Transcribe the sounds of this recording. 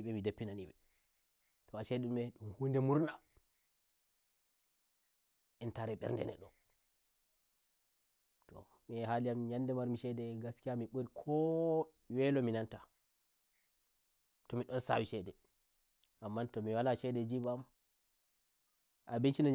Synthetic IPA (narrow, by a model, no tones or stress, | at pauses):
iɓɛmidapːinaniɓɛ | tɔaʃɛumɛɗumhundɛmuɾna | ɛntaɾɛɓɛ̰ɾndɛ̰nɛ̰ɗɔ | tɔ̰ | miɛhalijamɲandɛmaɾmiʃɛdɛɡaskijamiɓoɾikʰɔ | wɛlɔminanta | tɔmiɗɔnsa̰wiʃɛdɛ | ʔamːantɔmiwalaʃɛdɛd͡ʒibam | ʔabint͡ʃinɔɲ